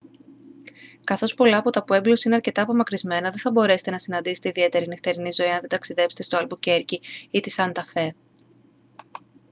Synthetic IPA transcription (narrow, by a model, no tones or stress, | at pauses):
kɐθo̞spo̞lɐːpot̪ɐpue̞mblo̞siine̞ɐɾce̞t̪ɐːpo̞mɐkɾizme̞nɐðeθɐbo̞ɾe̞set̪e̞nɐsinɐnd̪iset̪eiðie̞t̪e̞ɾinift̪eɾinizo̞iɐnðe̞d̪ɐksiðe̞pst̪est̪oɐlbuce̞ɾciit̪isɐnt̪ɐfe̞